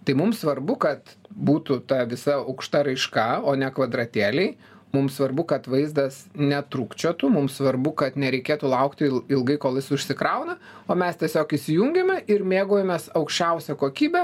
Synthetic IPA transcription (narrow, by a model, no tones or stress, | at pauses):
t̪ɐɪmʊmsʋɐrbʊkɐt̪buːt̪ʊt̪ɐʋʲɪsɐɐʊkʃt̪ɐɾɐɪʃkɐoːnʲɛkʋɐd̪ɾɐt̪ʲeːlʲɛɪ | mʊmsʋɐrbʊkɐt̪ʋɐɪzd̪ɐsnʲɛt̪ɾukt͡ʃʲot̪ʊmʊmsʋɐrbʊkɐt̪nʲɛɾʲɛɪkʲeːt̪ʊlˠɐʊkt̪ʲɪlɪlˠɡɐɪkoːlˠjɪsʊʃʲsʲɪkɾɐʊnɐ | oːmʲɛst̪ʲiɛsʲoːkɪʃsʲɪjuŋʲɡʲemʲɛʔɪɾmʲeːɡoːjɛmʲesɐʊkʃʲt͡ʃʲɛʊsʲɛkoːkʲiːbʲɛ